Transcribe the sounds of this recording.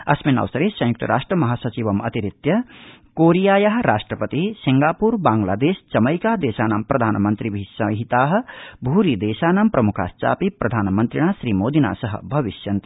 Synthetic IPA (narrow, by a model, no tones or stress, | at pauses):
ɐsmina̰wsɐɾesɐ̃jukt̪ɐ̰ɾaːʂʈrɐmɐɦaːsɐt͡ʃibɐmɐ̰t̪iɾit̪jɐ | koːɾijaːjaɦɾaːʂʈrɐpət̪isiŋɡaːpuɾbaːŋla̰ːd̪eːst͡ʃɐmɐjkad̪eːsaːnampɾɐd̪ʱaːnmɐnt̪ɾibʱisɐɦit̪aːɦ̆bʱuɾid̪eːsaːnampɾɐmukʰa̰st͡ʃa̰ːpipɾɐd̪ʱaːnmɐnt̪ɾiɽ̃asɾimoːd̪ʱina̰sʌɦɐ̰bʱɐʋisjɐnt̪i